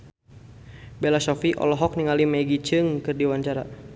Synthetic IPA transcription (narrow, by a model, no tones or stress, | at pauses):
bɛlasɔfiʔɔ̰lɔɦɔk̚niŋalimɛɡit͡ʃɨŋkɨrdiwaɲt͡ʃaɾa̰